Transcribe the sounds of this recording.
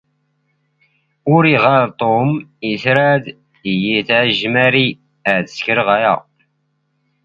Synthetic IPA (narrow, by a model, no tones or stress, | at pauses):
ʊɾiʁaɾt̪ˤomiθɾæd̪ | ijiθʕʒmæɾi | əʕθə̥skəɾəʁæjæ̰